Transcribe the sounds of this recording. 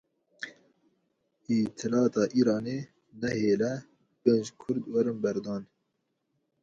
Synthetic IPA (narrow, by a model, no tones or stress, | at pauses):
it̪ʰɨlɑːt̪ʰɑːʔiːɾɑːneː | nɛheːlɛ | b̥ɛnd͡ʒkʰʊɾd̪wɛɾɨnbɛɾd̪ɑːn